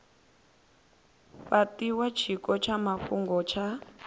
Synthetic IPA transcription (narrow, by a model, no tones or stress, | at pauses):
ɸatiwat͡ʃʰikɔt͡ʃʰamaɸuŋɡɔt͡ʃʰa